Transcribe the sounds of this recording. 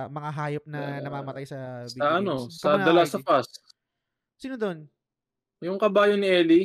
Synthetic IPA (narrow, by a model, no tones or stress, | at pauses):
mɐŋaɦaːjop̚nɐnɐmaːmɐt̪ajsɐsbiɐʔɐno̞sɐd̪ɐlasɐpas | siːnod̪o̞n | jʊŋkɐbaːjonɪʔɛːli